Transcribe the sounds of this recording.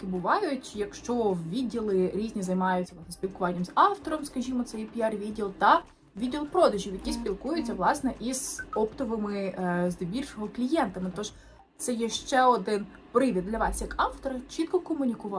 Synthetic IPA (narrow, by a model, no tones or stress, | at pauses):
kɪbʊʋɑjʊtʲjɐkʃt͡ʃɔʋʲidʲːilˠɪɾʲizʲnʲizɐjmɑjʊt͡sʲɐsɛspʲilˠkʊʋɑnʲːɐmzɑft̪ɔɾɔmskɐʒʲimɔt̪sɛjpʲiɑrʋʲidʲilˠt̪ɐ | ʋʲidʲilˠpɾɔd̪ɐʒʲiwjɐkʲispʲilˠkujʊt͡sʲːɐʋlˠɑsnɛʔiz̥ɔpt̪ɔʋɪmɪzd̪ebʲirʲʃɔɦɔklʲijɛnt̪ɐmɪt̪ɔʒ | t̪sɛjɛʃt͡ʃɛɔd̪ɪn | pɾɪʋʲid̪̚d̪lʲɐʋɑsʲjɐkɑft̪ɔɾɐt͡ʃit̪̚kɔkɔmʊnʲikʊʋɑ